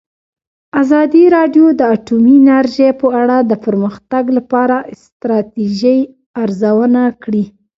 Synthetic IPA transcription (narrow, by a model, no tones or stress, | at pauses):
azɑd̪iɾɑɖjod̪əaʈuminaɾʒepəaɽad̪əpəɾməxt̪aɡlapɑɾaɪst̪ɾɑt̪iʒəj | aɾzawənakɽi